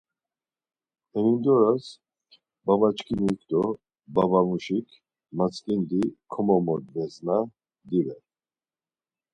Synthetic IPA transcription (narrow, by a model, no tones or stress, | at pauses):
ɛnind̪ɔɾas | babat͡ʃkʰiniikʰd̪ɔ | babamuʃikʰ | mat͡sʰʼkʼind̪ikʰɔmɔmɔd̪vɛzna | d̪ivɛ